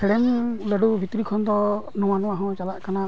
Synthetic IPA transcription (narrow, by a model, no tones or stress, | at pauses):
ɛɽɛmləɖubʱit̪ɾikʰɔnd̪ɔnɔ̃wanɔ̃aɦɔ̃t͡ʃalaʔkana